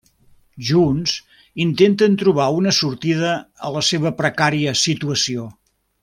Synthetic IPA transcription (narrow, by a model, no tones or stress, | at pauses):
ʒunz | int̪ent̪ənt̪ɾuβ̞aunəsuɾt̪ið̞əːləseβ̞əpɾəkaɾiəsit̪uəsio